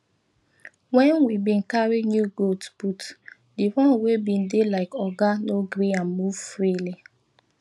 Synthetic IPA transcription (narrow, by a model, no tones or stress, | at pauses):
wɛnwibĩn̩kaɾinjuɡotb̥ut | diwɔ̃nwebĩn̩delaɪkɔɡanoɡɾianmuvfɾili